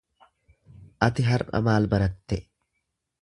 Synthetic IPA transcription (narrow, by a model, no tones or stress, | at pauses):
ʔɐt̪ɪɦɐɾɐ̰maːlbɐɾɐt̪ːɛ